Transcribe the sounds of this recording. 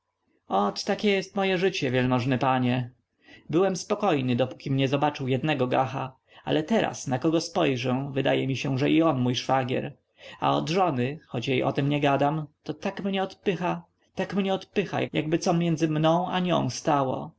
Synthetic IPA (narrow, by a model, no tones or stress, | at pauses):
ɔt̪tːakʲɛjɛst̪mɔjɛʐɘt͡ɕɛvʲjɛlmɔʐnɛpaɲɛ | bɘwɛmspɔkɔjnɘd̪ɔpu̥kʲimɲɛzɔbat͡ʂɘwjɛd̪nɛɡɔɡaxa | ʔa̰lɛt̪ɛɾa̰snakɔɡɔspɔjʐɛvɘd̪ajɛmʲiɕɛʐɛʔiɔnmujʂfaɡʲjɛ̰ɾ | a̰ɔd̪ʐɔnɘxɔt͡ɕjejʔɔ̰t̪ɛmɲɛɡad̪amt̪ɔt̪akmɲɛɔt̪pɘxa | t̪akmɲɛɔt̪pɘxa̰jaja̰ɡbɘt̪sɔmʲjɛnd̪zɘmnɔ̃w̃aɲɔ̰̃w̃st̪awɔ̰